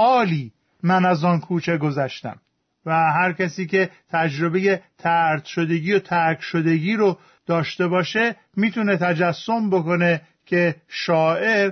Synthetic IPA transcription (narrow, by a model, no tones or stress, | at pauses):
ʔɒːliː | mænæzɒːnkʰuːt͡ʃʰe̞ɡo̞zæʃt̪æ̰m | væɦæɾcæsiːce̞t̪ʰæd͡ʒɾo̞be̞je̞t̪ʰæɾt̪ʃo̞d̪e̞ɟiːjot̪ʰæɾkʰʃod̪e̞ɡiːɾo | d̪̥ɒːʃt̪e̞bɒːʃe̞ | miːt̪ʰune̞t̪ʰæd͡ʒæsːo̞mbo̞ko̞ne̞ | cʰe̞ʃɒːʔe̞ɾ